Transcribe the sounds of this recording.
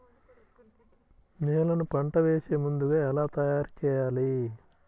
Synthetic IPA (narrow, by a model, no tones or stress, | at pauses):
neːlɐnupɐɳʈɐʋeːseːmund̪uɡaːɛlaːt̪ɐjaːɾut͡ʃɛːjaːli